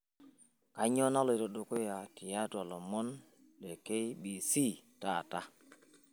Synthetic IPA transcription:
ka˨˦ɲo˦na˦lo˨jo˨ɗo˨ko˦ja˨ti˨ja˦ta˨lo˨mo˦n | le˨ke˦jɓi˨si˦ta˦˨ta˦

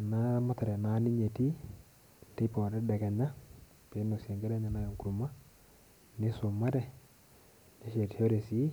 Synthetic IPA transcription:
na˦ma˦ta˨ɾɛ˨na˨˦ni˦ɲe˨ti˦ | te˦pɔ˨ɾɛ˦dɛ˨kɛ˨ɲa˦ | pe˨˦no˨se˨ŋɡe˦ɾɛ˦ɲa˨na˦jo˨ŋku˨ɾu˨ma˦ | ne˦so˨ma˦ɾɛ˦ | ne˦ʃe˨tihe˦ɾe˨si˦

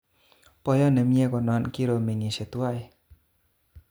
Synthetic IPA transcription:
pɔ˧jɔ˦˨nə˨mi˦e˦kɔ˨nɔ˧˦nki˦ɾo˧me˨ŋi˨se˨t̪u˦a˧˨j

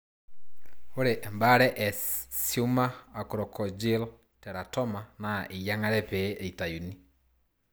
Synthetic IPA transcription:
o˦ɾe˨ʔɛ˨mba˦ɾɛ˦ʔɛ˨siu˦ma˦a˨ko˨ɾɔ˨kʰɔ˨d͡ʒi˦l | tɛ˨ɾa˨tɔ˦ma˨na˨ʔe˨ja˦ŋa˦ɾɛ˦pe˨˦ʔe˨i˨ta˨ju˨ni˦

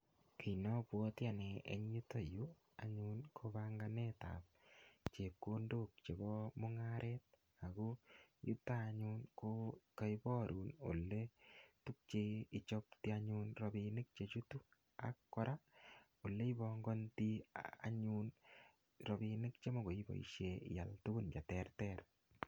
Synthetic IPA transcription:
ki˨jnɔ˦pwɔ˦tja˨ne˨ḛ˨ɲu˦to˨ju˦ | a̰˨ɲu˦nkʰobaŋɡaneta̰˨p̚ | t͡ʃe˨ko˦ndo˦k̚t͡ʃe˨bɔ˦mʊ˦ŋaɾʔet̚ | a˨ku˦jṵ˦ta˦ɲu˦nkoka˦jbɔ˦ɾʔu˨no̰˨lːe˦tu˦k̚t͡ʃei˨t͡ʃɔ˦pti˦aɲunɾɔbinɪ˦k̚t͡ʃe˨t͡ʃu˦tu˦ | a̰kːɔ˦ɾʔa | o˨lːe˦i˦bɔŋɡɔ˦nti˦aa̰˨ɲun | ɾɔ˨bi˧nɪ˦kt͡ʃe˦mo˦ɡo˨i˦bɔ̰˨ḭ˨ʃḛja̰˨ltu˦ɡu˦nt͡ʃa˨tɛrtɛr

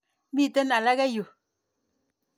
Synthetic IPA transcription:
mi˦˨tə˦na˨la˦ɣɛ˦jo˨

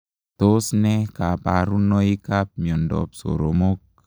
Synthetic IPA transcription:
t̪o˦snɛ˦ka˨paɾu˦nɔ˦i˦ka˦p̚mi˨ɔ˨ndɔ̰˨p̚so̰˨ɾomo˦k̚

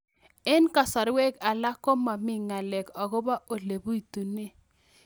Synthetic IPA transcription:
ɛ˦nka˨sa˨ɾwe˦ka˨la˦kɔ˦ma˨mɪ˦ŋa˨lɛ˨kɔ˨ɡo˦ba˦ʔo˨le˨bu˦i˨tu˨ne˦

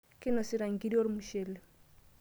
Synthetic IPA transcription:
kɪ˦nɔ˨si˦ɾa˨ŋ˨ki˦di˦o˦ɾmuʃe˨le˨

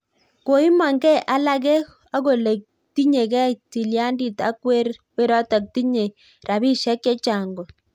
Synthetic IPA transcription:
ko˨i˦ma˨ŋɡɛ˦ʔa˦la˦ɣɛ˦ | a˦ɣo˨le˨k̚ | ti˦ɲe˨kɛ˦ti˨lja˦ndi˨ta̰˦kwe˦ɾwe˦ɾɔ˦ta˨k̚ti˦ɲe˨ | rʔa˨βi˦ʃɛ˦kːɛ˦t͡ʃa˨ŋɡɔ˨

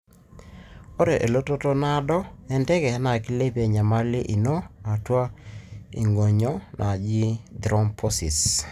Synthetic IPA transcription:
o˦ɾe˨ʔe˨lo˦to˦to˦na˦dɔ˦ɛ˦ndɛ˦kɛ˨ha˦na˨ki˦le˦pɛ˨ɲa˨ma˦lɪ˦ʔi˨no˦na˨twa˦ḭ˨ŋɡo˨ɲɔ˦nʔa˨d͡ʒi˦d̪ɾɔ˦mpʰɔ˦sḭ˨s

